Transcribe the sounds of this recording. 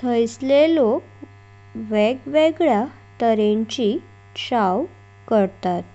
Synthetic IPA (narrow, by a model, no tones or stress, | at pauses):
t̪ʰəjslelok | ʋeɡʋeɡɭja | t̪əɾẽɲt͡ɕi | ʂaw | kəɾt̪at̪̚